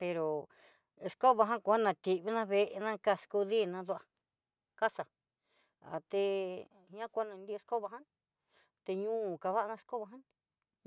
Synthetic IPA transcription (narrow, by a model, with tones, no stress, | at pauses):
pe˧ɾo˨ | e˧sko˦βa˧ɦã˦ku˨˧a˦nã˨˧t̪i˨ʔβi˦nã˦βe˧ʔe˧nã˦ka˦˧sku˧ði˦˨nã˧d̪u˧a˧ | ka˦sa˨ | a̰˨t̪e˧ | ɲã˦kʷa˦nã˧nd̪i˦˧e˧sko˦βa˧ɦã˦ | t̪e˧ɲũː˦˨ka˧βa˦a˧nã˧sko˦βa˧ɦã˦